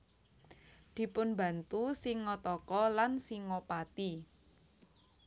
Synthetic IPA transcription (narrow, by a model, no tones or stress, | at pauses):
d̪̥i̤pʊnbä̤nt̪usiŋːɔt̪ɔkɔlansiŋɔpat̪i